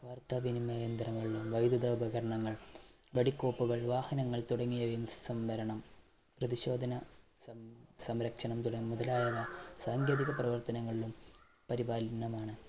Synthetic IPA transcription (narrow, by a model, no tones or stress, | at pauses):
ʋaːrt̪aːʋinimɐjɐnd̪rɐŋːɐɭilumʋɐjd̪uðɐbʱɐɣɐɾɐɳɐŋːɐɭ | ʋɐɽikːo̞ːpːuɣɐɭʋaːhɐnɐŋːɐɭt̪uɽɐŋːijɐʋjimɐssɐmʋɐɾɐɳɐm | prɐðiɕo̞ːd̪ʱɐnɐ | sɐmɾɐkʂɐɳɐmt̪uɽɐːmuðɐlaːjɐʋɐsaːŋɡjeːðiɣɐprɐʋɐrt̪ɐnɐŋːɐɭilum | pɐɾibaːlnːɐmaːɳɨ